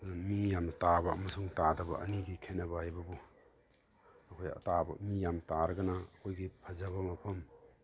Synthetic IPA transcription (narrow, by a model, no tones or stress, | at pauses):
mijamtabɐʔɐ̰mɐsuŋtadɐbɐ̰ɐ̰niɡikʰenɐbɐhajbɐbu | ɐkʰojɐ̰tabɐ̰mijamtaɾɐɡɐnaɐkʰojɡipʰɐzaβɐmɐpʰɐm